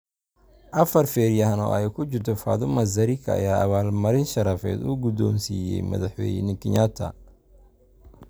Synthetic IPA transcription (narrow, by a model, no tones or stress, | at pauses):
ʔɐfɐrfɛːɾjɐɦɐnɔ̰ːʔɛjkʰʊt͡ʃɪrt̪ʰɔfa̰ːðʊmɐzɐɾikʰɐ̰ɐ̰jaːʔɐβaːlmɐɾɪnʃɐɾɐfɛ̰ːd̪uːɡʊd̪ɔːnsiːjɛ̰jmɐ̰ðɑħwɛ̰ːjnɪkʰɪɲat̪ʰɐ̰